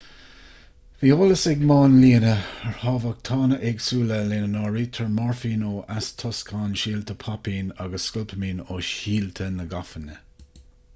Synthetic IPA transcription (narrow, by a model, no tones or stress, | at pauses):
viːoːləsɪɡmɑːnliːnəəɹhɑːvak̚t̪ʰɑːnəʔɪɡsuːləleːnənɑːɹiːt̪ʰəɹmaɹfiːnoːʔastʰɔskʰɑːnʃiːlt̪ʰəpʰapiːnaɡəsːkʊlpʰəmiːnoːʃiːltʰənəɡafənə